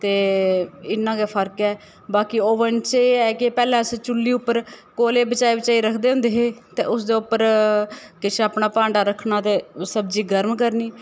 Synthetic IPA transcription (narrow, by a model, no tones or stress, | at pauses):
t̪eː | ɪnːãːkeːpʰəɾkɛː | baːkioːʋənt͡ʃeːɛːkepɛːlɛ̃ːst͡ʃʊlːiːʊpːəɾkoːleːbət͡ʃaːiːbət͡ʃaːiːɾəkʰd̪eːɦʊ̃nd̪eːɦeːt̪eːʊsd̪eːʊpːəɾ | kɪt͡ʃʰaːpnaːpãːɳɖaːɾəkʰnaːt̪eːsəbd͡ʒiːɡəɾmkəɾniː